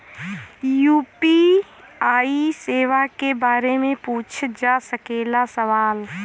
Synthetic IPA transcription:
juːpi | aːiseːʋakebaːɾemẽpuːt͡ʃʰd͡ʒaːsəkeːlasəʋaːl

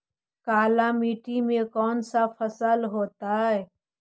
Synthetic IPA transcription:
kaːlamiːʈimẽkɔːnsafʰəsəlɦoːt̪aɦɛː

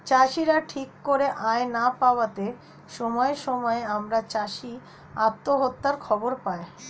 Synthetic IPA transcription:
t͡ɕaʃiɾaʈʰikːoɾeʔaenapaoat̪e | ʃɔmɔeʃɔmɔeamɾat͡ɕaʃi | at̪ːoɦot̪ːaɾkʰɔboɾpae

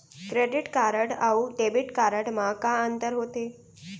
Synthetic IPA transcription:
kɾeɖiʈkaɾəɽauɖebiʈkaɾəɽmãkaənt̪əɾɦot̪e

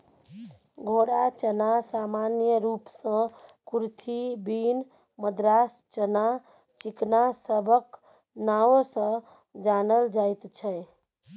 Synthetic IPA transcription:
ɡʱoɽat͡ʃənasamanjəɾupsə̃kuɾt̪ʰibin | məd̪ɾast͡ʃəna | t͡ʃiknasəbʱək | naosə̃ | d͡ʒanəld͡ʒait̪t͡ʃʰəe

